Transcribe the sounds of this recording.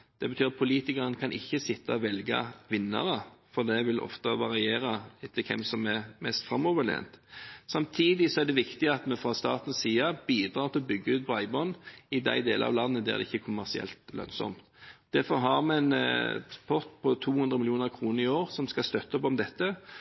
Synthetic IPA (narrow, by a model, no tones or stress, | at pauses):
d̪̥ɛbət̪ʰyːɾɑt̪̚pʰʊliːt̪ɪkɑɾənəkʰɑnʔɪ̰çːəsɪt̪ʰːɑɔʋɛlɡə̰ʋɪnːə̰ɾəfɔd̪ɛʋɪlʔɔ̰ft̪əʋɑɾɪeːɾəɪt̪ʰːɪlkʰɛ̰msɔmæɾmɛst̪fɾɑmːɔʋəlḛːnt̪sɑmt̪ʰiːd̪ɪsɔæd̪ɛʋɪkt̪ɪɑt̪mɛfɾɑst̪ɑ̰ːt̪n̩siːɑb̥iːd̪ɾɑːɾʁt̪ʰɪlɔbʏɡːəʉːt̪̚pʰɔɑɪbɔnɪd̪æ̰ɪd̪eːlə̰ɑ̰ʋlɑnːəd̪ɛæ̰æ̰d̪ɛ̰ɪçːəkʰʊmæʁsɪɛ̰lt̪lœ̰nsɔ̰mt̪d̪̥æɾfɔɾɦɑɾmɛn | pʰɔʁt̪pʰɔt̪ʰuːhʉnd̪ɾʁəmɪljuːnəʁkʰɾuːnəɾɪoːɾsɔmskɑst̪œt̪ːəɔpɔmd̪ɛt̪ːə